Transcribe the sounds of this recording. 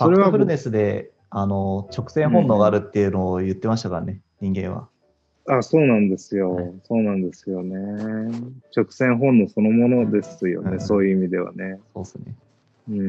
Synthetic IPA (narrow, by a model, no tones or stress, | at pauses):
soɾeapɯɾɯne̞sɨd̪e̞ | ano̞t͡ɕo̞kɯ̟̥sẽ̞ɰ̃ɦõ̞nːo̞ɡaːɾɯ̟t̪ːe̞jɯ̟no̞ːjɯ̟t̪ːe̞maɕ̬i̥t̪akaɾane̞ɲ̟ĩŋɡẽ̞ɰ̃βa̰ | aso̞ːnãnd̪e̞sɨjo̞so̞ːnãnd̪e̞sɨjo̞ne̞ | t͡ɕo̞kɯ̟̥sẽ̞ɰ̃ɦõ̞nːo̞so̞no̞mo̞no̞d̪e̞sɨjo̞̰eso̞ːjɯ̟imʲid̪e̞βa̰ne̞so̞̰ːsɨne̞̰ | ɯ̃ɴ